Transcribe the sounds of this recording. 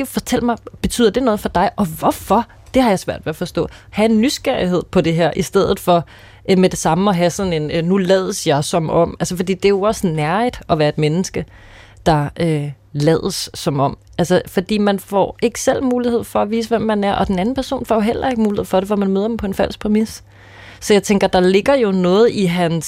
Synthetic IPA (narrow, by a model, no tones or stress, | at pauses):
fɒ̽t͡sʰel̰mɑ̈ɪb̥e̝t͡sʰy̰ːð̰ˠɐd̥e̝nɔ̽ːðˠfɒ̽d̥ɑ̈ɪʔɒ̽ʋɒfɒ̽ | d̥e̝hɑ̈jɑ̈ɪsʋæɐ̰d̥ʋeæfɒ̽sd̥ɔ̰̽ːhæe̝nːysɡ̥æɐiɦe̝ð̰ˠpʰɒ̽d̥e̝ɦeɐ̰ʔisd̥eð̞̰ˠð̩ˠfɒ̽ | med̥e̝sɑ̈məɒ̽ɦæsɒ̽ne̝nːulɛːðˠəsjɑ̈ɪsɒ̽mɒ̽m̰ælsəfɒ̽d̥ḭːd̥e̝æjo̝ɒ̽sənæɐid̥ɒ̽ʋæːɐe̝d̥menəsɡ̥ə | d̥ɑ̈ʔø | lɛ̰ð̞ˠəsːɒ̽mɒ̽m̰ | ælsəfɒ̽d̥ḭːmænfɒ̰ːe̝ɡ̥ə̥sel̰muːlihe̝ð̞̰ˠfɒ̽æʋḭːs̬əʋem̰ːænæɐʔɒ̽d̥enæn̩pʰæɐso̝̰ːnfɒ̰ːjo̝ɦel̰ɐe̝ɡ̥əmuːlihe̝ð̰ˠfɒ̽dɾe̝ʋɒmænmøːɐd̥m̩pʰɒ̽e̝nfæl̰spʰʁimisː | ɒ̽jɑ̈ɪt͡sʰeŋɡ̥ɐd̥ɑ̈le̝ɡ̥ɐjo̝nɔ̽ːð̞̩ˠiɦæns